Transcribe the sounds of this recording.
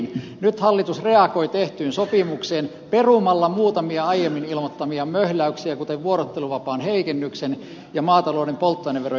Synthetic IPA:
n | nyt̪hɑlːit̪usreɑkoit̪eht̪yːnsopimukseːn | perumɑlːɑmuːt̪ɑmiɑɑjemːinilmot̪ːɑmiɑmøhlæyksiækut̪eʋʋuoɾot̪ːeluʋɑpɑːnheikenːyksen | jɑmɑːt̪ɑloˑːnempolt̪ːoineʋero

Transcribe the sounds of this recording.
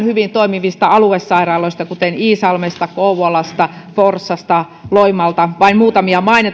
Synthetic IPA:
nhyʋint̪oimiʋist̪ɑɑluesːɑirɑloist̪ɑkut̪eniːsɑlmest̪ɑkouwɑlɑst̪ɑforsːɑst̪ɑ | loimɑlt̪ɑʋɑinmuːt̪ɑmiɑmɑinet

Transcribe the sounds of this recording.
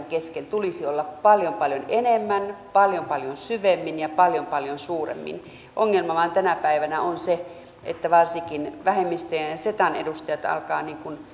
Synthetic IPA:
ŋkeskent̪ulisiolːɑppɑljompɑljonenemːænpɑljompɑljonsyʋemːinjɑpɑljompɑljonsuːrḛmːḭn | ʔoŋːelmɑʋɑnt̪ænæpæiʋænæonse | ʔḛt̪ːæʋɑrsikinʋæɦemːist̪øjænset̪ɑnḛdust̪ɑjɑt̪ɑ̰lkɑːniːŋkun

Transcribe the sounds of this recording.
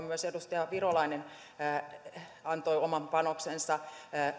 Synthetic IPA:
myøsedust̪ɑjɑʋirolɑinenː | ɑnt̪oiomɑmpɑnoksensɑ

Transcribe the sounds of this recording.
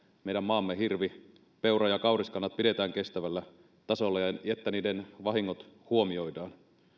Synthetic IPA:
mejdæmːɑːmːeɦirʋi | pe̞wrɑjɑkɑwriskɑnːɑt̪̚pide̞t̪æːŋke̞st̪æʋælːæ | t̪ɑso̞lːɑet̪ːæniːdenʋɑɦiŋːot̪huomio̞jdɑːn

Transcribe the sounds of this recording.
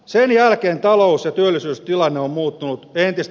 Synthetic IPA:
senjælkeːnt̪ɑlousjɑt̪yølːisyːst̪ilɑnːeommuːt̪ːunut̪ent̪ist̪

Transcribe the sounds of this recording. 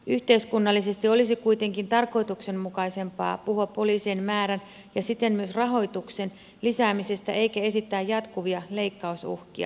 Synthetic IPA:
ʔyht̪e̞iskunːɑlːise̞st̪io̞lisikuit̪e̞ŋkint̪ɑrko̞jt̪ukse̞nmukɑise̞mpɑ̰ːpuhuɑppo̞liːseːnmæːɾæn | jɑsit̪ːemmyøsrɑɦo̞jt̪ukse̞n | lisæːmise̞st̪æʔe̞ikæe̞sit̪ːæːjɑt̪kuʋiɑle̞ikːɑusṵhk̟iɑ̰

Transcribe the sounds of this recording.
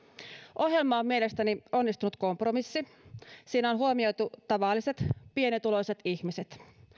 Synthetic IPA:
ʔohje̞lmɑommielest̪ænionːist̪unut̪kompromisːi | siːnæonɦuomio̞jt̪ut̪ɑʋɑlːˑiset̪pienit̪uloiset̪içmiset̪

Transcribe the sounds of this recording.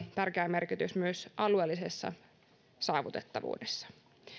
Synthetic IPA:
t̪ærkeæme̞rkit̪ysmyøsʔɑlueːlːisesːɑ̰ | sɑːʋut̪et̪ːɑʋṵːdesːɑ̥

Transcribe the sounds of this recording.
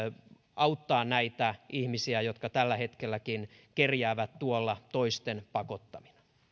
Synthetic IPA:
ɑut̪ːɑːnnæit̪æihmisiæjot̪kɑt̪ælːæhet̪kelːækin | kerjæːʋæt̪t̪uolːɑt̪oist̪enpɑkot̪ːɑmi̥nɑ̥

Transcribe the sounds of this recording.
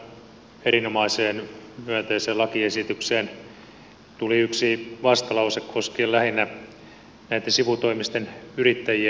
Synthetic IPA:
eɾinomɑiseːnmyæt̪eiseːlɑkiesit̪ykseːn | t̪uliyksiʋɑst̪ɑlɑusekkʰoskiːlæhinːæ | næit̪ːensiʋut̪oimist̪enyrit̪ːæjiæ

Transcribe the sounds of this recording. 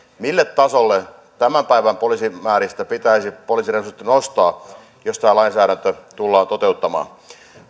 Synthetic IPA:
milːet̪tɑsolːe | t̪æmæmpæiʋæmpolisimæːɾist̪æpit̪æisipoliːsiresurt̪ːinost̪ɑː | jost̪æːlɑinsæːɾænt̪øt̪ulːɑːnt̪ot̪eut̪ːɑmɑ̰ː

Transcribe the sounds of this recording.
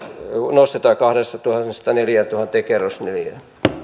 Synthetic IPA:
nost̪et̪ɑːkɑhɾest̪ɑt̪uhɑst̪ɑneljæt̪uhɑt̪ːˑeːkerːosneljæ̰

